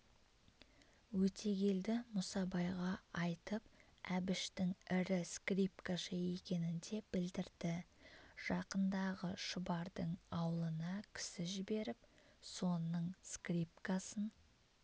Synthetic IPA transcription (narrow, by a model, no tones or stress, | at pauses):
wɵt̪ʰe̞ɡʲe̞ld̪ɪmʊsɑbɑjʁɑɑjt̪əp̚ | æbɪʃt̪ɪŋɪɾɪskrip̚kaʃəe̞kʲe̞nɪnd̪e̞b̥ɪld̪ɪɾd̪̥ɪʒ̥ɑqənd̪ɑʁəʃʊbɑɾd̪əɴɑwlˠənɑkʲʰɪ̥sɪʒɪbe̞ɾɪpso̞nəɴskripkasən